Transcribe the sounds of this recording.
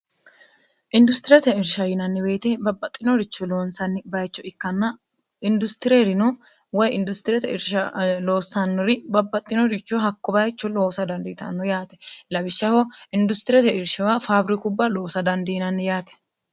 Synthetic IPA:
ʔɪnd̪ʊst̪ɪɾɛt̪ɛɪɾʃɐjɪnɐnːɪbe̞ːt̪ɛbɐbːɐt̪ʼːɪnɔɾɪt͡ʃːɔlo̞ːnsɐnːɪbɐjt͡ʃːɔɪkːɐnːɐ | ɪnd̪ʊst̪ɪɾeɾɪnɔ | wɔjɪnd̪ʊst̪ɪɾɛt̪ɛɪɾʃɐlo̞ːsːɐnːɔɾɪbɐbːɐt̪ʼːɪnɔɾɪt͡ʃːɔɦɐkːɔbɐjt͡ʃːɔlo̞ːsɐd̪ɐnd̪ɪːt̪ɐ̰nːɔjaːt̪ɛ̥lɐbɪʃːɐhɔɪnd̪ʊst̪ɪɾɛt̪ɛɪɾʃɪwafaːbɾɪkʊbːɐlo̞ːsɐd̪ɐnd̪iːnɐnːɪjaːt̪ɛ̥

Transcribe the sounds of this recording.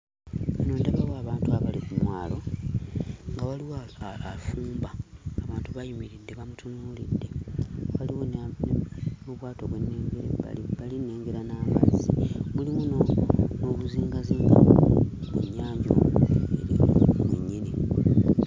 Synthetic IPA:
enoːndaβawoaːβaːntuaβalikumwaːlo̞ | ŋɡawaliwoːfuːmbaːβaːntuβajumiɾid̪eβamutʰunuːlidːe̞waliwonnmuβwaːto̞βwe̞nːeːɡeβalinːe̞ːŋɡeɾanama̰zimulimunno̞βuziːŋɡaziːŋɡa̰ | mwṵɲaːɲo̰ḛɾḭmeɲːini

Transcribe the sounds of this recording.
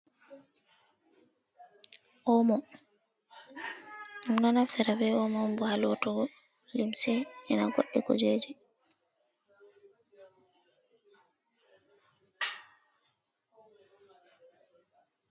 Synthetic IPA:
ʔɔmɔ | umnɔnafsɛɾabɛɔmɔmbɔhalɔtɔɡɔ | limsɛɛnaɡo̰ɗːikɔ̰d͡ʒed͡ʒi

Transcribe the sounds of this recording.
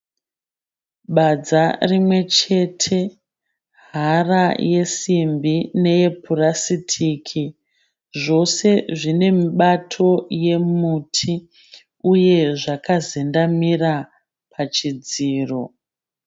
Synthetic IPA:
ɓad͡zarimwe̞t͡ʃe̞tʰe̞ | ɦɦaraje̞simbine̞je̞pʰurasitʰiːkʰi | ʐo̞se̞ʐine̞miɓatʰo̞je̞mutʰi | uje̞ʐakazendamira | pʰat͡ʃid͡ziːro̞

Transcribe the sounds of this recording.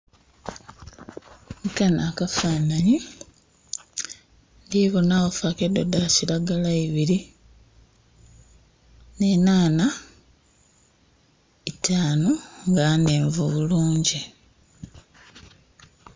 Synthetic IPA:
kanakafaːnaɲi | ndiβonawofakedo̞daciɾaɡalaiβiɾi | ne̞naːna | itaːnoŋɡaneːɱvuβuluːɲɟi

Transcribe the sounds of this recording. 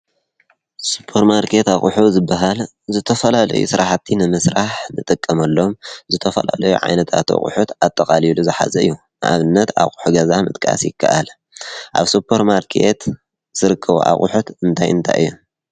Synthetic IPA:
su̥pʰːoɾmaɾkʰe̞t̪aχʼuħuzɨbːaɦal | zɨt̪ʰɐfɐlalɐ̰jṵsɨɾʔaħat̪ʰːinɨmɨsɾaħnɨt̪ʼɨkʼːɐmɐlːo̞mzɨt̪ʰɐfɐ̰la̰lɐjuʕa̰jnɐt̪ʰat̪ʰa̰χʼṵħut̪at̪ʼːɐqʼaliluzɨħa̰zɐɨjːu | nʔa̰βɨnːɐt̪ʰa̰χʼu̥ħuɡɐzamɨt̪ʼkʼa̰sjɪkʰːaʔal | ʔa̰βsupʰːoɾmaɾkʰe̞̰t̪ | z̥ɨɾɨkʰːɐβṵʔa̰χʼuħut̪ɨnt̪ʰajɨnt̪ʰa̰jɨ̰jːu

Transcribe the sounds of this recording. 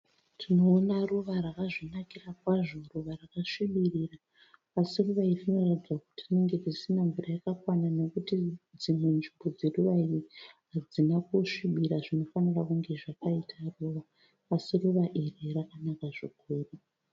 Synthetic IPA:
tʰino̞ːnaruʋarakaʐinakirakwaʐo̞ruʋarakaʂiɓiriraː | siruʋairtino̞ratid͡zwaku̥titine̞ŋɡe̞d͡zisinaɱvurajakakwanano̞kutid͡zimwe̞nʐimbo̞d͡zeruʋairiɦad͡zinakuʂiɓiɾaʐino̞fanirakuŋɡe̞ʐakaitʰaruʋaː | siruʋaʔererakanakaʐikuːru

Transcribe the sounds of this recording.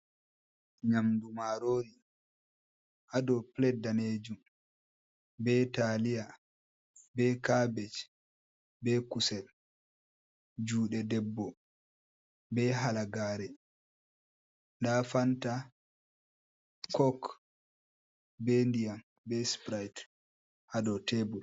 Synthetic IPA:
ɲamdumaɾoːni | ʔadɔplɛdaned͡ʒum | bɛtalija | bɛkabɛt͡ʃ | bɛkusɛl | d͡ʒuːɗɛdɛbːɔ | bɛɦalaɡaːɾɛ | ndafanta | kɔk | bɛndijam | bɛspɾajt | ʔadɔtebul

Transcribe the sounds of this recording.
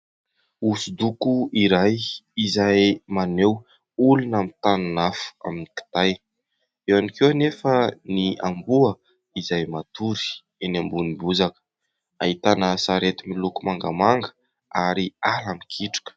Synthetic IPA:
usud̪ukuiɾajizajmanew | ulunamit̪ananafu̥a̰miniki̥t̪aj | ewanikewnefənia̰mbuə | izajmat̪uɾi̥ | enambunibuzakə̥ | aɦit̪anəsaɾet̪imilukumaŋɡamaŋɡə̥ | aɾialamikʰiʈ͡ʂḁkə̥

